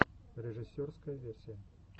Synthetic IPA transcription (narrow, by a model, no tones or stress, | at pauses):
ɾʲɪʐɨsʲːorskəjəvʲersʲijə